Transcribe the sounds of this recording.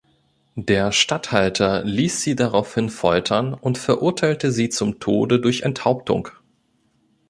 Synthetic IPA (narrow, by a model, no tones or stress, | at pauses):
deːɐʃtathaltʰɐliːsz̥iːdaʁaʊfhɪnfɔʏtʰɐnʊntfɛɐʔʊɐtʰaɪltəziːt͡sʊmtʰo̰ːdədʊɐçɛnthaʊp̚tʊ̰ŋ